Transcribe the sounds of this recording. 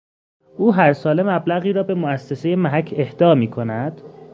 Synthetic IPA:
ʔuːɦæɾsɒːle̞mæblæɣiːɾɒːbe̞moæsːese̞je̞mæɦæcʰːe̞hd̪̥ɒːmiːkʰo̞næd̪̥

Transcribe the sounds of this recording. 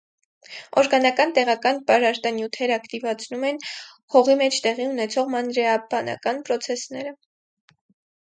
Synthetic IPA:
ɔɾɡɑnɑkɑnt̪ɛʁɑkɑnpɑɾɑɾt̪ɑnjut̪ʰɛɾɑkt̪ivɑt͡sʰnumɛnχɔʁimɛt͡ʃʰt̪ɛʁiunɛt͡sʰɔʁmɑnɾɛɑbɑnɑ̰kɑnpɾɔt͡sʰɛsnɛɾə

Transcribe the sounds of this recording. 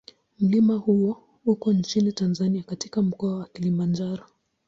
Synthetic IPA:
m̩limahuɔ | ukɔnt͡ʃinitanzaniakati̥kam̩kɔawakilimand͡ʒaɾɔ

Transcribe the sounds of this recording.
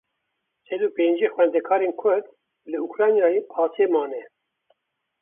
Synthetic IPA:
sɛd̪uːpeːnd͡ʒiːxwɛnd̪ɛkʰɑːɾeːnkʰʊɾd̪ | lɨukɾɑːnjɑːjeːpʰɑːt̪ʰiemɑːnɛ

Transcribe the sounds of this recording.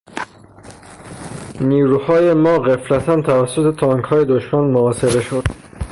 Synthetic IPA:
niːɾuːhɒːje̞mɒːɣeflæt̪ʰænt̪ʰævæsːot̪ʰe̞t̪ʰɒːŋkhɒːje̞d̪oʃmænmoɒːse̞ɣe̞ʃo̞d̪̥

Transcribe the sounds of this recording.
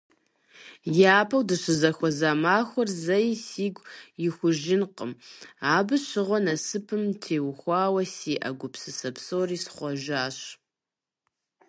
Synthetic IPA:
jaːpʰɐwdɨɕɨzɐxʷɔzaːmaːxʷɔrzɐjsiːɡʷjɪxʷʊʒɪnqə̰maːbɨɕɪʁʷɔnɐsɨpʰɨmtʰeːwxʷɑːwɐsiːʔɐ̰ɡʷʊpsɨsɐpsowriːsχʷɔʒaːɕ

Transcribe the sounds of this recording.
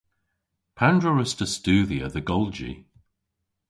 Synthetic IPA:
pʰandɹəɹəstəstʉːðiə̰ðəɡɔlˠd͡ʒḭ

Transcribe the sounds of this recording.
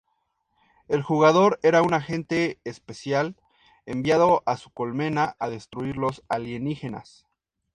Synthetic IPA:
e̞lxuɣaðo̞ɾe̞ɾaunaxe̞nt̪e̞ːspe̞sjal | embjað̞o̞ʔasuko̞lme̞naʔaðe̞st̪ɾuiɾlo̞saljenixe̞na̰s

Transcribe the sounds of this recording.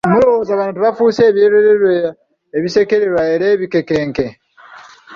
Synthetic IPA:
mulowozaβanotuβafuːse̞ːβjeɾeɾeɾweː | βise̞ke̞ɾeɾwaeɾeːβike̞ke̞ːŋke̞

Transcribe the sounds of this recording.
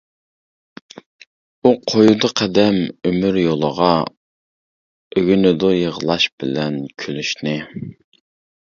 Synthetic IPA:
uqʰojud̪ɑqʰɛd̪ɛmømyɾjolˠəʁɑ | øɡʲynɪd̪ojəʁlˠɑʃb̥ɪlɛnkʲʰølyʃnɪ

